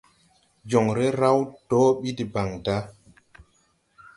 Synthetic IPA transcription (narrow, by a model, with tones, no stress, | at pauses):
d͡ʒɔ˨ŋɾe˦ɾa˦wdɔ˦ɓi˦di˨ba˨ŋda˦